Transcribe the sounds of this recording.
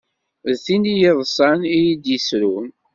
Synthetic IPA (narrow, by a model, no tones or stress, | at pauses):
ðθinijəðˤsˤɑnijid̪jisɾun